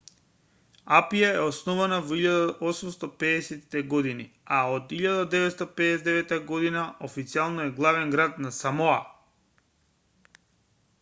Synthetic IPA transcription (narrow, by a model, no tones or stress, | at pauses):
apijaɛɔsnɔvanavoiʎad̪aʔɔsumst̪ɔpɛːsɛt̪it̪ɛɡɔd̪iniaod̪iʎad̪ad̪ɛvɛt̪st̪apɛːsɛd̪ɛvɛt̪ːaɡɔd̪inaofit̪sialˠnɔɛɡlˠavɛnɡɾat̪nasamɔa